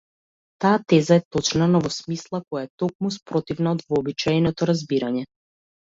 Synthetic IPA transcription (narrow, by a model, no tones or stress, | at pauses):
t̪aːt̪ɛzaɛt̪ɔt͡ʃnanavɔsmislˠakɔjaɛt̪ɔk̚muspɾɔt̪ivnaɔd̪vɔːbit͡ʃajnɔt̪ɔɾazbiɾaɲɛ